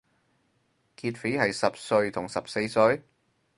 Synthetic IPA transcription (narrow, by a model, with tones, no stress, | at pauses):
kiː˧t̚fi˨˥hɐ˨jsɐ˨p̚sɵ˧ɥt̪ʰʊ˨˩ŋsɐ˨p̚se˧jsɵ˧ɥ